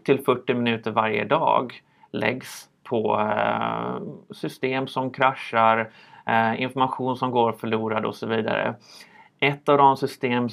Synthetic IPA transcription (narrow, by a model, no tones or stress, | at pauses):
t̪ʰɪlfœʈːɪmɪnʉ̟ːt̪əɾvaɾjə̰d̪ɑ̰ːɡ | lɛ̰ɡs | pʰɔ | sʏst̪eːmsɔmkʰɾaʂaɾ | ɪ̰nfɔɾmaɧuːnsɔmɡoːɾfœɭuːɾad̪ɔ̰sɔviːd̪a̰ɾə̰ʔɛt̪ːavd̪ɔmsʏst̪eːm